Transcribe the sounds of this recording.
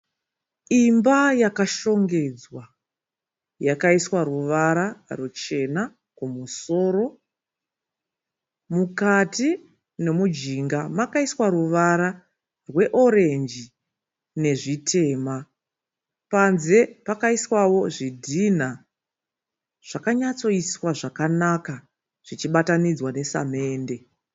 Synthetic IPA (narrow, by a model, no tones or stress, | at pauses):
imbajakaʃo̞ŋɡe̞d͡zwa | jakaiswaɾuʋaɾarut͡ʃe̞na | kumuso̞ːɾo̞ | mukati | ne̞mud͡ʒiŋɡamakaiswaɾuʋaɾa | rwe̞ʔo̞ɾe̞nd͡ʒi | ne̞ʐitʰe̞ːma | panze̞pakaiswawo̞ʐidʱin̤a | ʐ̥akaɲat͡so̞iswaʐakanaka | ʐ̥it͡ʃiɓatanid͡zwane̞sa̰me̞ːnde̞